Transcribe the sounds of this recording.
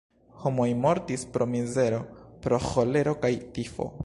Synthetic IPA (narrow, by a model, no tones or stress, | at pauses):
ho̞mo̞jmo̞ɾtispɾo̞mize̞ɾo̞pɾo̞xo̞le̞ɾo̞kajtifo̞̰